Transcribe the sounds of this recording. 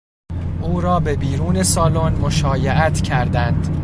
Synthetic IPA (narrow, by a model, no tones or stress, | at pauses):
ʔuːɾɒːbe̞biːɾuːne̞sɒːlonmo̞ʃɒːjeʔæt̪ʰcʰæɾd̪ænd̪̥